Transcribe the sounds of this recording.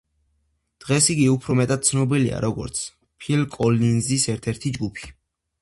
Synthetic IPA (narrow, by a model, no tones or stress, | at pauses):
d̪̥ʁɛsiɡiupʰɾɔmɛt̪ʼad̪̥̚t̪sʰnɔbilia̰ɾɔɡɔ̰ɾt̪sʰ | pʰilkʼɔlinzisɛɾt̪ʰɛɾt̪ʰid͡ʒɡupʰi̥